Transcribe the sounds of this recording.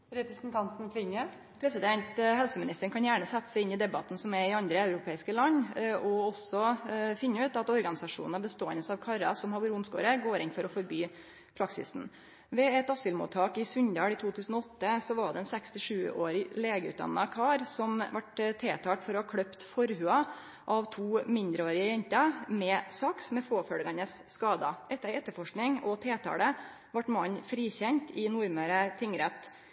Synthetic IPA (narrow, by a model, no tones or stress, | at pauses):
ɾɛpɾəsnt̪ʰɑnt̪n̩kʰlɪɲə | pʰɾɛsɪd̪ɛnt̪hɛlsəmɪnɪst̪əɳkʰɑnjæːɳəsɛt̪ːə̥sɛɪnːɪd̪ɛbɑt̪n̩sɔmɛɪɑnd̪ɾəɑʉɾʊpʰeːɪskəlɑnːɔɔsɔfɪnːəʉːt̪ɑt̪ɔɾɡɑnɪsɑʂṵːnən̩ɑbəst̪oːɛ̰nəsɑːʋkʰɑɾɑ̰sɔmhɑbuɾʊmsko̰ːɾəɡoːɾɪnfɔɾɔfɔɾbyː | pʰɾɑksɪ̰sn̩ | ʋɛɛt̪ɑsɪlmṵːt̪ʰːɑːkɪsʉɲd̪ɑːɽɪt̪ʰuːt̪ʰʉːsn̩ɔɔt̪ːəsɔʋɑɖɛɛnsækst̪ɪʂʉːo̰ːɾɪleːɡəʉ̰t̪̚d̪ɑ̰nːɑkʰɑːɾsɔmʋɑʈt̪ʰeːt̪ʰɑːʈ̪fɔɾɔhɑːkʰɽœpt̪fɔɾɦʉːɑ | ʔɑʋt̪ʰuːmɪnd̪ɾəoːɾɪəɾɛnt̪ɑmɛsɑksmɛfoːfœɽɡɑnəsːkɑːd̪ɑʔɛt̪ːəɾɛt̪ːəɾfɔʂknɪŋɔt̪ʰeːt̪ʰɑ̰ːɽə | ʋɑʈmɑɲːfɾiːçɛnt̪ɪnʊɾməɾət̪ʰɪŋɾɛt̪